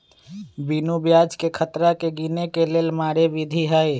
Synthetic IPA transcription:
biːnubjaːd͡ʒkekʰət̪ɾakeɡiːnekeleːlmaːɽeʋid̪ʱiɦəe

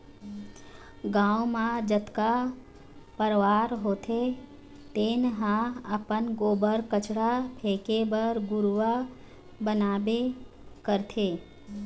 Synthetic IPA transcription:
ɡãːumãd͡ʒət̪ka | pəɾʋaːɾɦoːt̪ʰe | t̪eːnɦãəpənɡoːbəɾkət͡ʃɽapʰeːkebəɾɡʊɾʋa | bənaːbe | kəɾt̪ʰeː

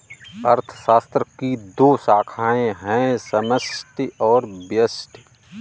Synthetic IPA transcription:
ɐɾt̪ʰə̥ʃaːst̪ɾəkid̪oːsaːkʰaːẽɦɛ̃səməsʈɔːɾbjəsʈ

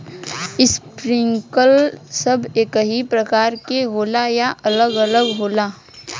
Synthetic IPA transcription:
ɪspɾɪ̃ŋkəlsəbʱeːkəɦipɾəkaːɾkeɦoːlajaʔɐləɡələɡɦoːlaː

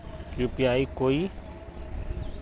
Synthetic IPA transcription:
ɾupjaːikoːi

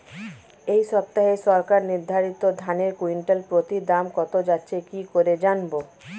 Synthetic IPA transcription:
ejʃɔp̚t̪aɦeʃɔɾkaɾniɾd̪ʱaɾit̪od̪ʱaneɾkuiɳʈelpɾot̪id̪amkɔt̪od͡ʑatːɕʰekikoɾed͡ʑanbo

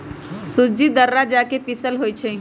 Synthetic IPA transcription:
sʊd͡ʒid̪əɾːad͡ʒakepɪsəlɦoːit͡ʃʰɛ

